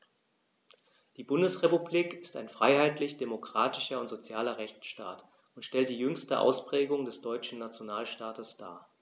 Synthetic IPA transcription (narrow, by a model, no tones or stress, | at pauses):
d̥iːbʊndəsʁepubliːkɪ̥sta̰ɪnfʁ̥aɪhaɪtlɪçd̥emokʁ̥aːtɪ̥ʃɐʊntz̥ot͡sjaːlɐʁɛçt͡sʃta̰ːt | ʊntʃtɛlt̚d̥iːjʏŋstəʔa̰ʊspʁ̥ɛːɡʊŋdɛsd̥ɔʏt͡ʃn̩nat͡sjonaːlʃtaːtəsd̥a̰ːɐ